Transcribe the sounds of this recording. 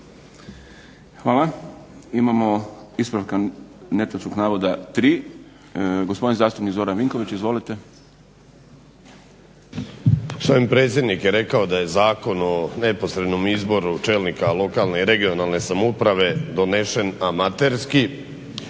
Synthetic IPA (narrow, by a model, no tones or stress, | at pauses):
xʋaːlaimamo̞ispɾaʋkane̞t̪at͡ʃkoɡnaːʋo̞d̪at̪ɾiː | ɡospd̪nzaːst̪upnikzo̞ɾanʋiŋko̞ʋit͡ɕizʋo̞lit̪e̞ | sʋoimpɾet̪sʲje̞d̪nikjeɾe̞kaod̪aje̞zaːko̞none̞po̞sɾed̪nomizbo̞ɾut͡ʃeːlnikalo̞kaːlneiɾe̞ɡionalˠne̞samupɾaʋe̞d̪o̞ne̞ʃe̞namat̪eɾski